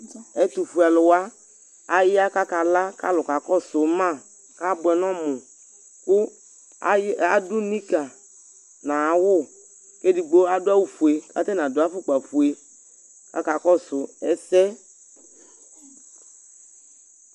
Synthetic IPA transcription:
ɛ˦t̪u˨fu˨a˨lʊ˨wa˦ | a˦jɪ˦a˦ka˦ka˨la˦ka̰˦lʊ˨ka˨kɔ˦sʊ˨˦mã˦˨ | ka˦bʊ˨ɛ˨nɔ̃˦mʊ̃˨ | kʊ˦ | a˨du˦nĩ˦ka˨ | nã˨a˨wʊ˦˨ | ke˦di˨ɡ͡bo˦a˦dʊ˦a˦wu˨fu˨e˨ka̰˦t̪ɛ˦nã˨dʊ˨˦a˦fʊ˦k͡pa˨fu˨e˨ | ka̰˦ka˨kɔ˦sʊ˨ɛ˨sɛ˦

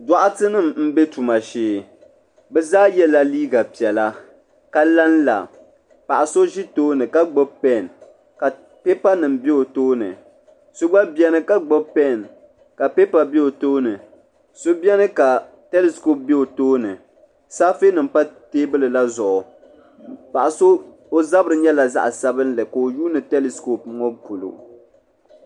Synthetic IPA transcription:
da˨ʔa˦tɨ˦nɨ˦˨mm̩˦be˦tu˨ma˨ʃeː˨ | bɛ˦zaː˦jɛ˦la˦liː˦ɡa˨pi˨ɛ˨la˦ | ka˦la˦n˦la̰˨ | pa˨ʔa˨so˦ʒi˦toː˦nɨ˨ka˦ɡ͡bo˦bpɛ˦˨n | ka˨ | pe˦pa˦nɨ˨mbe˦o˨toː˦nɨ̰˨ | so˦ɡ͡ba˦bɛ˦nɨ˦˨ka˦ɡ͡bo˦bpɛ˦˨n | ka˨pe˦pa˨be˦o˨toː˦nɨ˨ | so˦bjɛ˦nɨ˦ka˨ | tɛ˦li˦sko˦p̚be˦o˨toː˦nɨ˨ | saː˦fi˦nɨ˨m˦pa˦teː˦bɨ˦lɨ˨la˦zʊ˨ʔʊ˨ | pa˨ʔa˨so˦ | o˦za˦bɨ˦ɾɨ˨ɲɛ˦la˨za̰˦ʔa˨sa˦bɨ˦nlɨ˨ka˨o˨ju˦nɨ˨tɛ˦li˦sko˦˨p̚ŋɔ˦pu˨lṵ˨

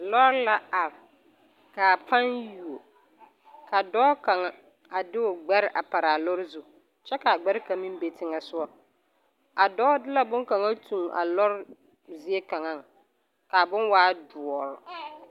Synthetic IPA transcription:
lɔ˦ɾla˦a˨ɾ | ka˨pʰa˦nju˨o˨ | ka˨dɔː˦ka˨ŋa˦ | a˨dɪ˦ʊ˨ɡ͡bɛ˦ɾɪ˦ʔa˨pa˨ɾa˨lʊ˦ɾɪ˦zu˦ | t͡ʃɛ˦ka˨ɡ͡bɛ˦ɾɪ˦ka˨mĩ˦m˦be˨tɪ˦ŋa˨sʊ˦ɔ˦ | a˨dɔː˦dɪ˦la˦bʊ˦ŋka˨ŋa˦tʰũ˨ŋa̰˨lɔ˦ɾɪ˦ | zɪ˦e˦ka˨ŋa˦˨ŋ˨ | ka˨bʊ˦nwaː˦dʊ˨ɔ˨ɾʊ˨

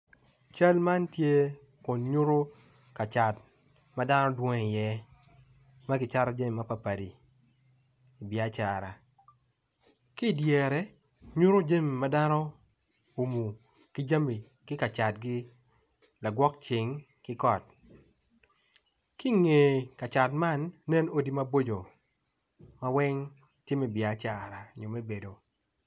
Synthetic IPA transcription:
t͡ʃa˦lma˦ntje˦ | kʊ˨nɲu˦ɾo˦ | ka˨t͡ʃa˨t̚ | ma˦da˦nɔ˦dwɔ˦ŋ˨jɛ˦ | ma˦ɡɪ˨t͡ʃa˦ɾɔ˦d͡ʒa˦mi˨ma˦pa˨pa˨di˨ | i˨bɪ˨a˦t͡ʃa˨ɾa˨ | ki˦˨djɛ˨ɾɛ˨ | ɲu˦ɾo˦d͡ʒa˦˨mi˨ma˦da˦nɔ˦ | u˨mu˨ | ki˦d͡ʒa˦mi˨ | kɪ˦ka˨t͡ʃa˨t̚ɡɪ˦ | la˨ɡwɔ˦k̚t͡ʃɪ˨ŋ | kɪ˦kɔ˨t̚ | ki˦ŋe˨ka˨t͡ʃa˨tma˦˨nːɛ˦no˦di˦ma˦bo˦d͡ʒo˨ | ma˦wɛ˦ŋ | tɪ˦mɛ˨bja˨˦t͡ʃa˨ɾa˨ɲo˨mɛ˦be˨do˨

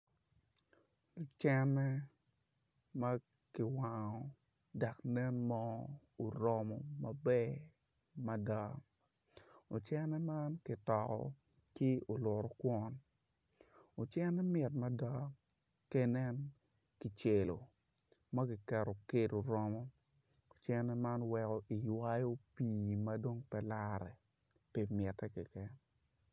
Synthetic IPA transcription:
o˨t͡ʃɛ˦nːɛ˦ | mɐ˦ | kɪ˨wa˨ŋɔ˨ | da˨knɛ˦nmɔ˦ | o˨ɾɔ˦mɔ˦mɐ˨bɛ˦ | mɐ˦da˦ | o˨t͡ʃɛ˦nɛ˦ma˦nkɪ˨tɔ˨kɔ̰˨ | ki˦o˨lʊ˨ɾo˨kwɔ˦n | o˨t͡ʃɛ˦nɛ˦mɪ˨tmɐ˦da˦ | kɛ˦nɛ˦n | ki˨t͡ʃe˨lo̰˨ | mɐ˦kɪ˨kɛ˨ɾo˨ke˦do˨ɾɔ˦mɔ˦ | o˨t͡ʃɛ˦nɛ˦ma˦nwɛ˨kɔ˨ʔi˨jwa˦jo˦piː˨mɐ˦do˦ŋpɛ˨la˦ɾɛ̰˨ | pi˨mjɛ˨tːɛ˦kɛ˨kɛ˦n

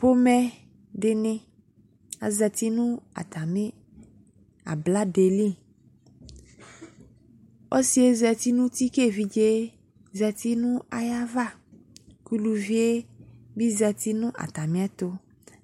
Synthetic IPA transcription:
po˦mɛ˦ | ɖe˨nɪ̃˦ | a̰˨zɛ˨t̪i˦nũ˦a̰˨t̪a˨me˦ | a̰˨bla˦ɖe˨li˦˨ | ɔ˦si˨˦e˦zɛ˨t̪i˦nũ˦t̪i˦ke˦˨vi˨d͡ʒe˦ | zɛ˨t̪i˦nũ˦a˨ja˦va˦˨ | ku˦lu˨vi˦e˦bi˦zɛ˨t̪i˦nũ˦ʔa̰˨t̪a˨mĩ˦a˦t̪o˦

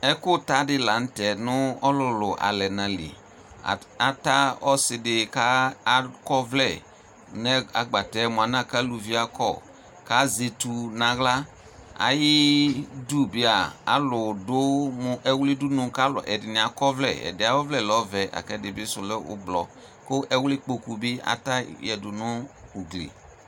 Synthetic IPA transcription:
ɛ˦kʊ˦ta˦dɪ˦la˨n̩˦tɛ˨nʊ˦ɔ˦lʊ˨lʊ˨ʔa̰˨lɛ˨nã˨lḭ˨ | a˨ta˦ɔ˦sɪ˨dɪ˨ka˦kɔ˦vlɛ˨ | nɛ˦a˨ɡ͡ba˨tɛ˨˦mʊ˨a˨nã˦ka˦lu˨vi˦a˦kʰɔ̰˦˨ | ka˦ze˨tu˨na˨ɣla˦ | a̰˨jɪ˦du˦bɪ˦a˨a̰˨lʊ˨dʊ˦mʊ˨ʔɛ˦wlɪ˦du˦nʊ̃˦ka˦lʊ̰˨ʔɛ˨dɪ˨nɪ˨a˨kɔ˦vlɛ̰˦˨ɛ̰˨dɪ˨˦a˨˦wɔ˦vlɛ˦˨lɔ˦vɛ˨ʔa̰˨kɛ˦dɪ˨bɪ˦sʊ˨lɛ˦ʊ̰˦blɔ̰˨ | kʊ˦ʔɛ˦wlɪ˦k͡po˨ku˨bɪ˦a̰˨˦ta˦jɛ˨dʊ˨nʊ˦u˨ɡlḛ˨

